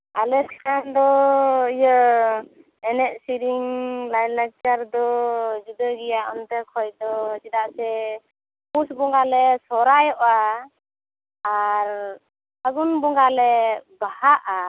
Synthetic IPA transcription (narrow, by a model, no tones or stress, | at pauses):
alɛskand̪ɔijə | ɛnɛʔ̚siɾiŋlajlaɡ̚t͡ʃaɾd̪ɔd͡ʒud̪əɡɛjaʔɔnt̪ɛkʰɔjd̪ɔd͡ʒɛd̪aʔsɛ | pusbɔŋɡalɛsɔɾajɔʔa | ɾ | aɡunbɔŋɡalɛbahaʔa